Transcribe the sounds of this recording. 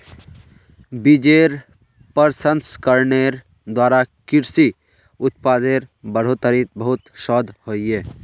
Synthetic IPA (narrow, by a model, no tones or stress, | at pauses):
bid͡ʒeːɾ | pəɾsənskəɾneːɾ | d̪waːɾakɪɾsi | ʊt̪paːd̪eːɾbɐɽ̤ot̪əɾit̪bəɦʊt̪ʃɔːd̪ʱhoːieː